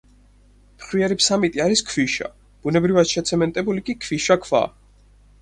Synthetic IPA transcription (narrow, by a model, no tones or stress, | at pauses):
mχwiɛɾipsamit̪ʼiaɾiskʰviʃa̰ | b̥unɛbɾivad̪ʃɛt̪sʰɛmɛnt̪ʼɛbulikʼikʰviʃakʰva̰